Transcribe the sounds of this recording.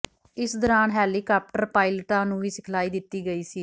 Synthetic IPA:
ɪsd̪ɔːɾaːnɦɛːliːkaːp̚ʈəɾpaːɪləʈãːnũːʋiːsɪkʰlaːiːd̪ɪt̪ːiːɡəiːsiː

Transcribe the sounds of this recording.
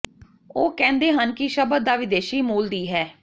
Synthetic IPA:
oːkɛ̃ːnd̪eːɦənkɪʃəbəd̪aːʋɪd̪eːʃiːmuːld̪iːɦɛː

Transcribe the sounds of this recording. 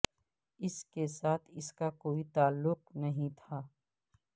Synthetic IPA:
ɪskesaːt̪ʰɪskakoːit̪aːlːʊq̚nɐɦĩt̪ʰaː

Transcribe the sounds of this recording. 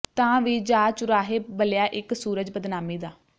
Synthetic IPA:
t̪ãːʋiːd͡ʒaːt͡ʃʊɾaːɦeːbəljaːʔɪksuːɾəd͡ʒbəd̪naːmiːd̪aː

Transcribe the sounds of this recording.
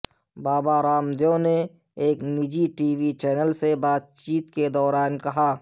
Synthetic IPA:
baːbaɾaːmd̪jõne | eːknɪd͡ʒiʈiːwit͡ʃɛːnəlsebaːt̪̚t͡ʃiːt̪ked̪ɔːɾaːnkɐɦaː

